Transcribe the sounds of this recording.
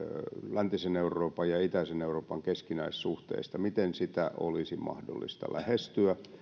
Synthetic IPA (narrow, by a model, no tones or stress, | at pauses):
lænt̪iseneurˑoːpɑjjɑit̪æiseneuroːpɑŋkeskinæissuht̪ḛist̪ɑmit̪ensit̪æ̰ʔo̰lisimɑ̰hdo̰lːḭst̪ɑ̰læhest̪yæ